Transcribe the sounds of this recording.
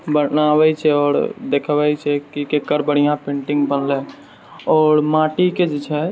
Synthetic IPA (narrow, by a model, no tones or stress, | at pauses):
bənabɛt͡ʃʰɛɔːɾd̪ekʰbɛt͡ʃʰɛkikekəɾbəɽ̤ijãpẽɳʈĩŋɡbənlɛ | ɔːɾmaʈiked͡ʒet͡ʃʰɛ